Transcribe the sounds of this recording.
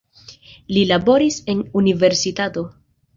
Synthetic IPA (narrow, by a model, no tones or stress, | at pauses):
lilabo̞ɾise̞nunive̞ɾsitato̞